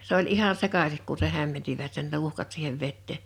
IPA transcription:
s olʲ ʔihɑn̆ sekɑsik ku se hæmːentiʋæt sen tuhkɑt siːheʋ ʋetːeˑ

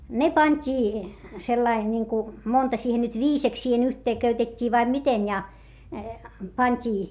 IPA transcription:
ne pɑnʲtʲiː selːɑi niŋku montɑ siːhen nyt ʋiːseks siːhen yhteː køytetʲːiː ʋɑim miten jɑ pɑntʲiː

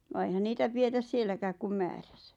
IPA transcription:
ʋɑː eihæn niːtæ pietæs sielːækæːk kum mæːr̥æ̥sæ̥

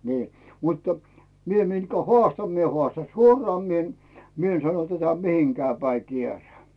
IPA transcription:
niː mutːə mie mitkæ hoɑˑstɑn mie hoɑˑstɑn suorɑː mi en mi en sɑno tætæ mihiŋkæː pæi kieræː

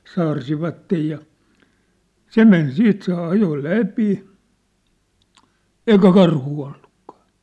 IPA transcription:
sɑːrsiʋɑtːej jɑ se men siːt se ɑjo læpi eikæ kɑrhuː olːukːɑ̥ː

